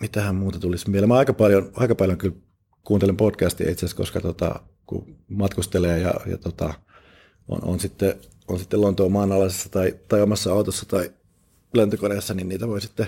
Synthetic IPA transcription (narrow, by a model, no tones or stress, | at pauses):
mit̪æhæmmuːt̪ɑt̪ulismielemɑɑikɑpɑljonɑ̰ikɑpɑljoŋkyl | kuːnt̪elempotkæst̪iɑ̰it̪seæsko̰skɑt̪ot̪ɑ̰ | kṵmɑt̪kust̪eleːjɑ̰jɑ̰t̪ot̪ɑ | ʔo̰no̰nsit̪ːe | onsit̪ːelont̪oːmɑːnɑlɑsesːɑ̥t̪ɑit̪ɑiomɑsːɑɑut̪osːɑt̪ɑi | lænt̪økoɾesːɑninniːt̪æʋoisit̪ːe